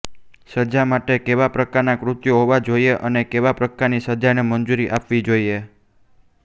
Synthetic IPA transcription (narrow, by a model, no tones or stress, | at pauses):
səd͡ʒamaʈekeʋapɾəkaɾnakɾʊt̪joɦoʋad͡ʒoieʔənekeʋapɾəkaɾnisəd͡ʒanemənd͡ʒuɾiʔapʋid͡ʒoie